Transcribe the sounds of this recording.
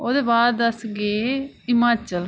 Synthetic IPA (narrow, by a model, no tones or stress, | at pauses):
od̪eːbaːɾd̪ɐsɡeːɪmaːt͡ʃəl